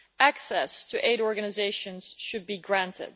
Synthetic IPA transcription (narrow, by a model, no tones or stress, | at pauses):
ʔæksɛstʰɨʔeɪɾɔɹɡɨnɨzeɪʃɨ̃nz̥ʃɨd̚biɡɹæ̃ntʰɪ̰d̥̚